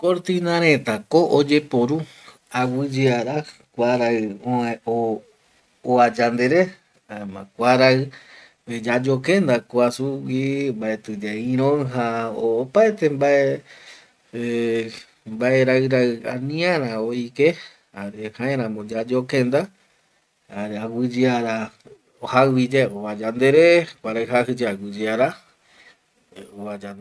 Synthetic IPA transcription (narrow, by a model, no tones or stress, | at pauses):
koɾt̪inãɾ̃ẽt̪akoʔod͡ʒepoɾu | awɨd͡ʒeaɾa | kʷaɾaɨooː | ad͡ʒand̪eɾe | aemã̰kʷaɾaɨ | ed͡ʒad͡ʒokẽnd̪akoasuwimbaet̪ɨd͡ʒeĩɾ̃õŋɦaoːpaet̪embae | e | mbaeɾaɨɾaɨã̰nĩãɾ̃ãoike | aɾehãẽɾãmõd͡ʒad͡ʒokẽnd̪a | aɾeawɨd͡ʒɨaɾa | ohawid͡ʒeoβad͡ʒand̪eɾekʷaɾaɨɦahɨd͡ʒeawɨd͡ʒiaɾa | oad͡ʒan